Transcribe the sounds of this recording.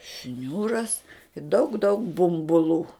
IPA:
ˈʃʲnʲuːrɐs dɐʊk dɐʊk bʊmbʊˈlˠuː

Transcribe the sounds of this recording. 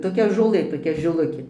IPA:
toːˈkʲɛ ʒoːˈlˠɘ toːˈkʲɛ ʒʲɪˈlˠʊkʲeː

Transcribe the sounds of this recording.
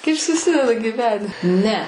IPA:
ˈkɐɪp sʊˈsʲɪdʲɛdɐ ɡʲiːˈʋʲæːnʲɪ ˈnʲɛ

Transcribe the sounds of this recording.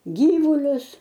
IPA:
ˈɡʲiːʋʊlʲʊs

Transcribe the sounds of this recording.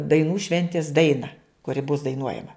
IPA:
dɐɪˈnuː ˈʃʲʋʲɛnʲtʲɪs ˈdɐɪnɐ kʊˈrʲɪ bʊs dɐɪˈnuɔjɛmɐ

